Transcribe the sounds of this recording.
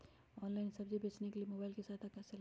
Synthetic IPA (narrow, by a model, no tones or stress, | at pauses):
ɔːnlaɪnsɐbd͡ʒibʱeːt͡ʃnekeliemoːbaːɪlkesaːt̪ʰakɛsəl